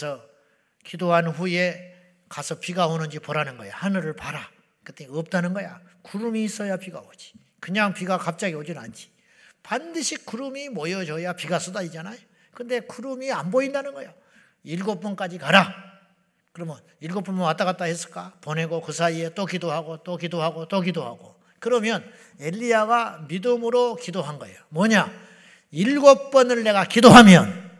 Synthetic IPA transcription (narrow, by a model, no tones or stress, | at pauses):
sʰʌ | kidoɦanɸuje̞ | kasʰʌpiɡaonɯnd͡ʑipoɾanɯnɡʌjahanɯɾɯɭpaɾa | kɯt͈eiʌp̚t͈anɯnɡʌja̰kuɾumiːs͈ʌjapiɡaod͡ʑi̥ | kɯɲaŋpiɡakap̚t͡ɕ͈aɡiod͡ʑinand͡ʑi̥ | pandɯɕʰik͈ːuɾumimʌjʌd͡ʑʌjapiɡas͈ʌdaid͡ʑanajo | kɯnde̞kuɾumianboindanɯnɡʌjo | iɭɡop͈̚unk͈ad͡ʑikaɾa | kɯɾʌmjʌn | iɭɡop͈unmonwat͈aɣat͈̚ahes͈ɯ̥ɭk͈apone̞ɡokɯsʰaiet͈okidoɦaɡot͈okidoɦaɡot͈okidoɦaɡo̰ | kɯɾʌmjʌn | e̞ʎːiaɡamidɯmɯɾokidoɦanɡʌḛjomwʌɲa | iɭɡop̚p͈ʌnɯɭne̞ɡakidoɦamjʌn